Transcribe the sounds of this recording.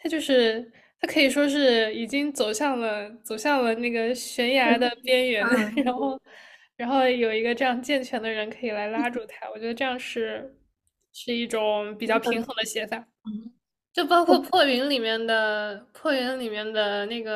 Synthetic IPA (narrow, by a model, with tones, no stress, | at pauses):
t̪ʰa˥t͡ɕjo˥˧ʊʂɻ̩˥˩ | t̪ʰa˥kʰɤ˧˥i˨˩ʂwɔ˥ʂ̬ɻ̩˥˩i˨˩t͡ɕi˥ŋt͡so˨˩ʊɕjɑ˥˩ŋlə˩t͡so˨˩ʊɕjɑ˥˩ŋlə˩na˥˩ɡə˩ɕɥɛ˧˥nja˧˥˧d̪ə˧pjɛ˥nɥɛ˧˥nɻa˧˥nxo˥˩ʊɻa˧˥nxo˥˩ʊjo˨˩ʊi˧˥ɡə˧ʈ͡ʂɤ˥˧jɑ˥˧ŋt͡ɕjɛ˥˩nt͡ɕʰɥɛ˧˥nd̪ə˧ɻə˧˥nkʰɤ˧˥i˨˩la˧˥ɪla˥ʈ͡ʂu˥˩t̪ʰa˥wɔ˨˩t͡ɕɥɛ˧˥d̪ə˧ʈ͡ʂɤ˥˧jɑ˥˧ŋʂɻ̩˥˧ | ʂɻ̩˥˧i˥˩ʈ͡ʂʊ˨˩˦ŋpi˨˩t͡ɕjɑ˥˩ʊpʰi˧˥ŋxɤ˧˥ŋd̪ə˧ɕjɛ˧˥fa˥˩˦ | t͡ɕjo˥˩ʊpɑ˥kʰwɔ˥˧pʰwɔ˥˩i˧˥ŋli˨˩mjɛ˥˩nd̪ə˩pʰwɔ˥˩ɥɛ˧˥nli˨˩mjɛ˥˩nd̪ə˩na˥˩ɡə˩